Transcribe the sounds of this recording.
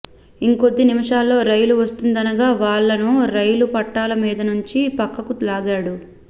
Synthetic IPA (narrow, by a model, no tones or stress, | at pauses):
iŋkod̪ːinimɐʂaːlːo̞ːɾɐjluʋɐst̪und̪ɐnɐɡaːʋaːɭːɐnuɾɐjlupɐʈːaːlɐmiːd̪ɐnuɲt͡ʃipɐkːɐkulaːɡaːɽu